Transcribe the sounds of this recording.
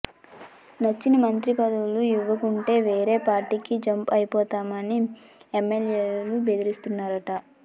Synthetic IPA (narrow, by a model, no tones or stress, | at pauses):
nɐt͡ʃːinimɐnt̪ɾipɐd̪ɐwuluiʋːɐkuɳʈe̞ːʋe̞ːɾe̞ːpaːɾʈikid͡ʒɐmpɐjipɔːt̪aːmɐni | emːeljeːlube̞d̪iɾist̪unːaːɾɐʈɐ